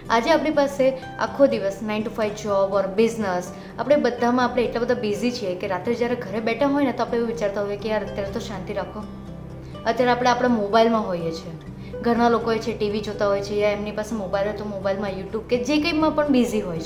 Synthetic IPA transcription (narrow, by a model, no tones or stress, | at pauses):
ad͡ʒeapɽ̃ipase | a̰kʰːod̪iʋəsnainʈifajʋd͡ʒɔbɔɾbiznəs | a̰pɽ̃ebəd̪ʱːamãːpɽ̃eeʈlabəd̪ʱabizit͡ʃʰiekeɾat̪ɾed͡ʒjaɾeɡʱəɾebɛʈʰãɦojnet̪oapɽ̃eũʋit͡ʃaɾt̪aɦojekeaət̪jaɾet̪oʃãnt̪iɾakʰõ | ət̪ːjaɾeapɽ̃eapɽ̃amobailmãɦojet͡ʃʰe | ɡʱəɾɽ̃alokoɦojt͡ʃʰeʈiʋid͡ʒot̪aɦojt͡ʃʰejaemnipasemobailɦojt̪omobailmãjuʈjub̚ked͡ʒekəimãpəɳbiziɦojʰ